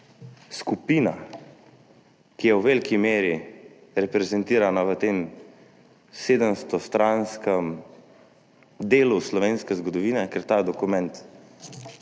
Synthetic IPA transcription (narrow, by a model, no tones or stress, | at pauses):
skupiːna̰ | kijɛwʋelkimeːɾi | ɾɛpɾɛzɛnt̪iːɾanaʋət̪eːm | seːd̪əmst̪ɔst̪ɾanskəm | d̪eːluslɔʋeːnskɛzɡɔd̪ɔʋiːnɛkɛɾt̪aːd̪ɔkumɛnt̪